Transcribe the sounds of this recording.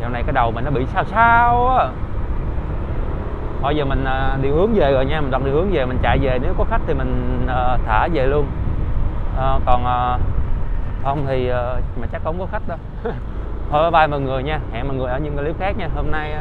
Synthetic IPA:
jaː˨˩wna˨˩kaː˨˦jɗə˨˩wmï˨˩ŋnɔ˨˦ɓḭ˧˨saː˧wsaː˧wʔː | hɔ˧jzəː˨˩mï˨˩ŋ̟ʔəː˨˩ɗḭ˧˨hɨ˨˦əŋze˨˩ɣɔ̰ː˨jɲaː˧mi̟˨˩wa˨˩ɗḭ˧˨whɨ˨˦əŋve˨˩mï˨˩ŋ̟t͡ɕa̰˧˨jve˨˩ne˨˦wkɔ˨˦xa˦˥k̚t̪ʰi˨˩mï̟˨˩ʔəː˨˩t̪ʰaː˧˩˦ze˨˩lu˧ən | ʔəː˨˩kɔ˨˩nʔəː˨˩ | hə˧wŋ͡mt̪ʰi˨˩ʔəː˨˩maː˨˩t͡ɕa˦˥k̚ʔə˧˦wŋ͡mkɔ˨˦xa˦˥jk̟̚ɗɔ˨˦ | hɔ˧˩vːɓaː˧jmɔ˨˩jŋɨ˨˩əjɲaː˧ha̰ː˧˨mɔ˨˩jŋɨ˨˩əjʔəː˧˦ɲɨ˧ŋə˨˩li˦˥w̚xaː˦˥k̚ɲaː˧ho˧mna˧j

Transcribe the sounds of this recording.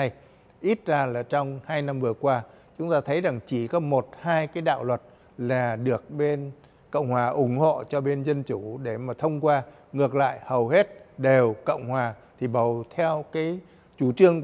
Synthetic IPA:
j | ʔi˦˥t̚zaː˧laː˨˩t͡ɕɔ˧wŋ͡mhaː˧jna˧mvɨ˨˩əkwaː˧t͡ɕʊ˨˦ŋ͡mt̪aː˧t̪ʰə˨˦jza˨˩ŋt͡ɕi˧˩kɔ˨˦mo˨˩t̚haː˧jkaː˨˦jɗa̰ː˧˨wlwə˨˩t̚ | laː˨˩ɗɨ˨˩ək̚ɓe˧n | kə̰˧˨wŋ͡mhwaː˨˩ʔʊ˨˩˦ŋ͡mho̰˧˨t͡ɕɔ˧ɓe˧nzə˧nt͡ɕu˧˩˦ɗe˧˩maː˨˩t̪ʰə˧wŋ͡mkwaː˧ | ŋɨ˨˩ək̚la̰ː˧˨jhə˨˩whe˦˥t̚ɗe˨˩wkə̰˧˨wŋ͡mhwaː˨˩t̪ʰi˨˩ɓə˨˩wt̪ʰɛ˧wkaː˨˦j | t͡ɕu˧˩t͡ɕɨ˧əŋ

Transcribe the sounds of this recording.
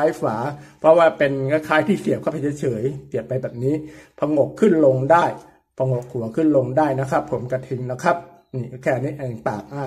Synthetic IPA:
a˦˥jfaː˩˦pʰɾɔ˦˥waː˥˩pe˧nŋa˦˧˩kʰaː˦˥jt̪ʰiː˥˩si˨˩əp̚kʰa˦˥pʰa˧˩t͡ɕʰːt͡ɕʰɤː˩˦jki˨˩ət̚pːa˧jbɛː˨˩p̚niː˦˥pʰa˧ŋo˨˩kʰːɯ˥˩nlo˧ŋdaː˥˩j | pʰa˧ŋo˨˩k̚ʰːu˨˩˦ɐkʰɯ˥˩nlo˧ŋdaː˥˩jna˦˥kʰɾa˦˥pʰːo˩˦mka˧t̪ʰi˧ŋna˦˥kʰɾa˦˥p̚ | niː˧˩˦kʰɛː˧˩ni˦˥ʔɛː˧˩ŋt̪aː˨˩k̚ʔa˧˥˩

